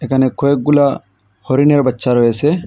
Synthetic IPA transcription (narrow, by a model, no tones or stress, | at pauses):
ɛkɐnɛkːɔjɛɡʊla | hɔɾɪnɛɾɐbɐt͡ʃːaːɾɔjeːsɛ